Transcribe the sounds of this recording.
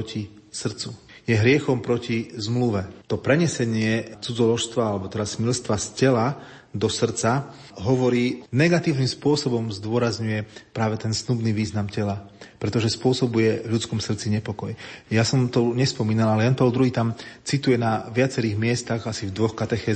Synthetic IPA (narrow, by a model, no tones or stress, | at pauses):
ɔcisr̩t͡su | jɛɦɾɪɛxɔmpɾɔcizmluʋɛt̪ɔpɾɛɲɛsɛɲɪɛt͡sud͡zɔlɔʃst̪ʋaalɛbɔt̪ɛd̪asmilst̪ʋascɛla | d̪ɔsr̩t͡sa | ɦɔʋɔɾiːnɛɡat̪iːʊnimspʊɔsɔbɔmzd̪ʊɔɾazɲujɛpɾaːʋɛt̪ɛnsnubniːʋiːznamcɛlapɾɛt̪ɔʒɛspʊɔsɔbujɛvʎut͡skɔmsr̩t͡siɲɛpɔkɔjjasɔmt̪ɔɲɛspɔmiːnalalɛjanpɛld̪ɾuɦiːt̪amt͡sit̪ujɛnaʋɪat͡sɛɾiːɣmɪɛst̪aɣasivd̪ʋɔxkat̪ɛxɛː